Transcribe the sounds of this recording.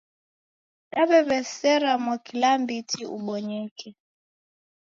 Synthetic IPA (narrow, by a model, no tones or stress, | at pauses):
naβɛβɛsɛɾamwakilambitʰiṵɓɔɲɛkʰɛ